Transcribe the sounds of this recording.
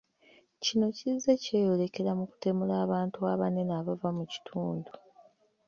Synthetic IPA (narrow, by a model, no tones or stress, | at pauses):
cino̞cizːece̞ːjo̞le̞ke̞ɾamuku̥te̞mulaːβaːntuaβane̞naːβavamuci̥tʰuːndu